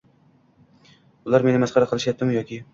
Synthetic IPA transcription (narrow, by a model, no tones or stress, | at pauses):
ʊlˠaɾmenɪmasqʰɑɾaqʰɨlˠɪʃjap̚t̪ːɪmjɒkʲʰɪ